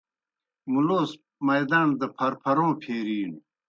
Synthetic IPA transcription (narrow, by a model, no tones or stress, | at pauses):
muloːs | mɐjd̪aːnd̪ɐpʰɐɾpʰɐɾõːpʰeːɾiːn